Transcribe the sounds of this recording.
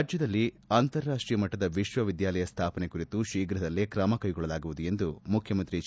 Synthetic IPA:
d͡ʒjɐd̪ɐlːi | aːnt̪ɐɾːaːʂʈɾiːjɐmɐʈːɐd̪ɐʋiʃʋɐʋid̪jaːlɐjɐst̪ʰaːpɐne̞kuɾit̪uʃiːɡɾɐd̪ɐlːikɾɐmɐkɐjɡɔɭɐlaːɡuʋud̪uje̞nd̪umukʰjɐmɐnt̪ɾi

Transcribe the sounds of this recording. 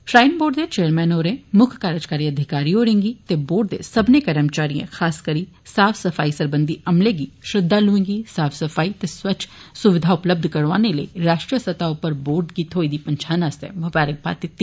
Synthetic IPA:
ʃɾaːɪnboːɖd̪eːt͡ʃeːəɾmɛːnoːɾẽːmʊkʰkaːɾəd͡ʒkaːɾiəd̪ʱɪkaːɾioːɾẽːŋɡiːt̪eboːɖ̚d̪ḛːsəbnekəɾəmt͡ʃaːɾijḛ̃xʰaːskəɾiː | saːfʰsəfaːisəɾbə̃nd̪iɐmleɡiːʃɾɪd̪ːalʊẽːŋɡiːsaːpʰsəfaːit̪eːswət͡ʃʰsʊʋɪd̪ʱaʊpləb̚d̪ʱkəɾʋaːneləḭːɾaːʃʈɾiəsət̪aʊpːəɾboːɾɖɡiːt̪ɦoːid̪iːpəɲt͡ʃʰaːnaːst̪ḛːmʊbaːɾək̚ba̰ːt̪ɪt̪ːiː

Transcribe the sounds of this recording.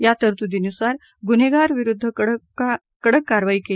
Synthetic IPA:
jat̪əɾt̪ud̪inusaɾ | ɡuneɡaɾʋiɾud̪ʱːə | kəɽəkːaɾʋaiːke

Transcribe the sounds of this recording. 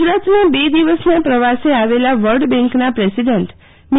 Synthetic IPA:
d͡ʒɾat̪nabed̪iʋəsnapɾəʋaseaʋelaʋəlɖbɛ̃ŋknapɾesiɖəɳʈ | mɪ

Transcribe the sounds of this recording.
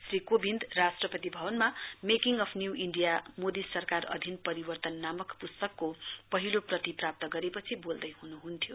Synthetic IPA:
srikobind̪rasʈrʌpʌt̪ibʱʌbʌnmamekiŋʌpʰnjuiɳɖijamod̪isʌrkarʌ̰d̪ʱinpʌɾibʌrt̪ʌnːamʌkpust̪ʌkːopʌɦiloprʌt̪iprap̚t̪ʌɡʌɾepʌt͡sʰibold̪ʌjhunuɦunt̪ʰijo

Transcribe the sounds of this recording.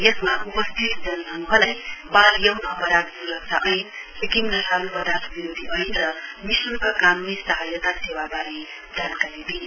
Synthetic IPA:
jesmaʔupʌst̪ʰit̪d͡zʌnːanɦʌlajbaljʌwnʌpʌɾad̪̚buɾʌk̚t͡sʰʌʔʌjnsekimnasʰalupʌd̪ʱasbiɾod̪ʱiʔʌinɾʌmisukakanunisʌɦajʌt̪asewabaɾi | d͡zankaɾid̪in

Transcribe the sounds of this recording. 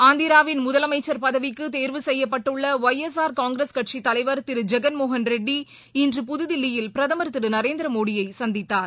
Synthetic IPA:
aːnd̪iɾaːʋɪnmʊðɐlɐmɐɪt͡ʃːɐɾpɐðɐʋɪkːɯt̪eːɾʋɯsɛjːɐpːɐʈːɯɭːɐʋɐjɛs̬aːɾkaːŋɡɾeskɐʈʂit̪ːɐlɐɪʋɐɾt̪ɪɾɯd͡ʒɛɡɐnmoːɦɐnɾɛɖːi | ɪndrɯpʊðɯðɪlːɪjɪlpɪɾɐðɐmɐɾt̪ːɪɾɯnɐɾeːnd̪ɾɐmoːɽɪjɐɪsɐnd̪ɪt̪ːaːɾ

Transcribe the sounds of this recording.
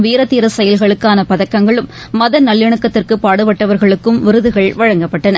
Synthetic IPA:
ʋiːɾɐt̪ːiːɾɐsɐjɐlɣɐɭɯkːaːnɐpɐðɐkːɐŋɡɐɭɯmː | ɐðɐnɐlːɪɳɯkːɐt̪ːɪrkɯpaːɽɯpɐʈːɐʋɐɾɣɐɭɯkːɯmʋɪɾɯðɯɣɐɭʋɐɻɐŋɡɐpːɐʈːɐnɐ

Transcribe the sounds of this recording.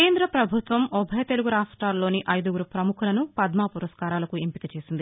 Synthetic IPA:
keːnd̪ɾɐpɾɐbʱut̪ʋɐmɔbʱɐjɐt̪e̞luɡuɾaːʂʈɾaːlːo̞ːniʔɐjd̪uɡuɾupɾɐmukʰulɐnupɐd̪maːpuɾɐskaːɾaːlɐkuempikɐt͡ʃeːsind̪i

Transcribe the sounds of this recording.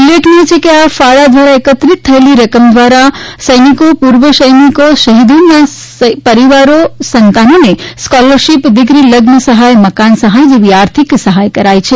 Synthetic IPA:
uleʈʰnet͡ʃʰekiafaɽad̪ʋaɾaekət̪ɾit̪ʰːəeliɾəkəmd̪ʋaɾasəjnikopuɾʋəsəjnikosəɦid̪unːa | pəɾiʋaɾosənt̪anoneskɔləɾʃipd̪iɡɾiləɡnəsəɦajməkansəɦajd͡ʒeʋiaɾt̪ʰiksəɦajkəɾajt͡ʃʰe

